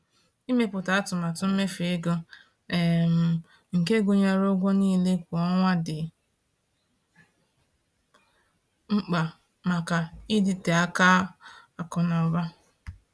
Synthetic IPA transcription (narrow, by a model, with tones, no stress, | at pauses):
i˦me˦pʊ˨ta˨a˦tʊ˨ma˨tʊ˦m̩˦me˦fɪ˦ɡo˦ | e˨m̩˨ | ŋ̩˨ke˦ɡo˨ɲa˦ɾo˦ɡʷo˦niː˦le˦kʷɔ˦ŋʷa˦dɪ˨ | ŋ͡m̩˦k͡pa˨ | ma˨ka˨ɪ˦dɪ˨te˨a˦ka˦a˨kɔ˨nɔ˨ba˦